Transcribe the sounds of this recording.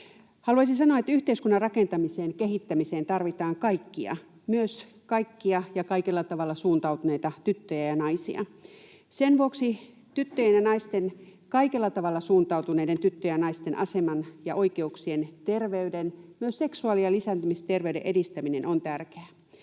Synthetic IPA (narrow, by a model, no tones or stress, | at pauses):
hɑluɑisinsɑnoɑet̪yht̪eiskunːɑrrɑkent̪ɑmiseːnkeɦit̪ːæmiseːnt̪ɑrʋit̪ɑːŋkɑikːiɑ̰ | myøs | kɑikːiɑjɑkɑikelːɑt̪ɑʋɑlːɑsuːnt̪ɑut̪une̞jt̪ɑt̪yt̪ːøjæjɑnɑisḭɑ̰ | senʋuoksi | t̪yt̪ːøjenjɑnɑist̪enkɑikelːɑt̪ɑʋɑlːɑsuːnt̪ɑˑuwt̪uneident̪yt̪ːøjɑnɑist̪enʔɑ̰semɑnjɑʔoikeuksient̪erʋeydenmyøsse̞ksuɑːliɑlisænt̪ymist̪erʋeydḛʔedist̪æminenʔont̪ærkeæ